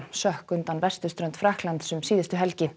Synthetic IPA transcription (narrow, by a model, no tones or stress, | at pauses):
sœhkʏnt̪anvɛr̥st̪ʏ̥st̪ɾœnt̪fɾahklant̪sʏmsiːðɪst̪ʏɦɛlcɪ